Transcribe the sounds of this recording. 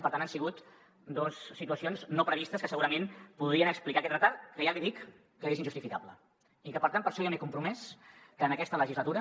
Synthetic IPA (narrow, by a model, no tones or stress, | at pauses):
pəɾt̪anansiɣut̪ | d̪osːit̪uəsionznopɾəβist̪əskəsəɣuɾəmenpuðɾiənəksplikakɛt̪rət̪aɾkəjaliðikː | əezind͡ʒust̪ifikaβlə̰ | ikəpəɾt̪anpəɾʃɔamekumpɾumɛskəːnəkɛst̪ələʒizlət̪uɾə